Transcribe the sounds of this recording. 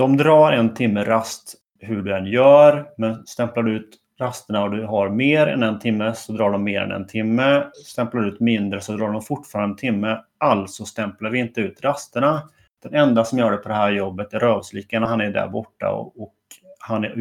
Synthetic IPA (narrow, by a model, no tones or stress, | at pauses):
d̪̥ɔmd̪ɾɑːɾɛnt̪ʰɪmːəɾast̪ | hɵɖɵɛnjœːɾmɛnst̪ɛmplaɖɵʉ̟ːt̪ | ɾast̪əɳaɔd̪ɵɦaɾmeːɾɛ̰nɛnt̪ʰɪmːəsɔd̪ɾɑːɖɔmːeːɾɛ̰nɛ̰nt̪ʰɪmːəst̪ɛmplaɖʉ̟ːt̪mɪnd̪ɾəsɔd̪ɾɑːɖɔmfʊʈfɑːɾand̪ət̪ʰɪmːəʔalt̪sɔst̪ɛmplaɾvɪɪnt̪əʉ̟ːt̪ɾast̪əɳa | d̪̥ɛnɛnd̪asɔmjœːɖɛpʰɔd̪ɛhæːɾjɔbːət̪æɾœːvsliːkənahanæɖæ̰ɾbɔʈːa̰ɔ̰ɔkhan